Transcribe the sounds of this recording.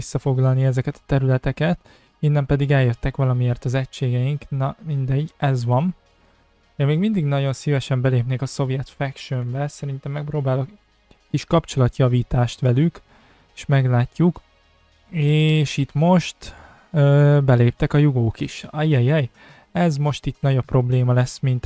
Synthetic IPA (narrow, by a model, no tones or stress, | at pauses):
isːɒfo̞ɡlɒlniɛzɛkɛt̪ɒ̥t̪ɛɾylɛt̪ɛkɛt̪ | inːɛmpɛd̪iɡɛljøt̪ːɛkʋɒlɒmijeːrt̪ɒzɛcʃeːɡɛjiŋknɒmind̪ɛɟːɛzʋɒm | emeːɡmind̪iɡnɒɟo̞nsivɛʃɛmbɛleːpneːkɒso̞vijɛt̪fɛkʃømbɛsɛɾint̪ɛmːɛk̚pɾoːbaːlo̞k | kiʃkɒpt͡ʃo̞lɒt̪jɒviːt̪aːʃt̪ʋɛlyk | eʃmɛɡlaːcːuk | eːʃit̪mo̞ʃt̪ | øbɛleːp̚t̪ɛkɒjuɡoːkiʃɛjɛjɛj | ɛzmo̞ʃt̪it̪nɒɟopːro̞bleːmɒlɛsmint̪